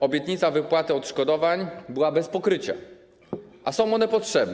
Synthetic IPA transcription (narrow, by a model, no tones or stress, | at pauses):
ɔbʲjɛt̪ɲit̪savɘpwat̪ɘɔt̪ʂkɔd̪ɔvaɲbɘwabɛspɔkɾɘt͡ɕa̰ | ʔasɔ̃w̃ɔnɛpɔtʂɛbn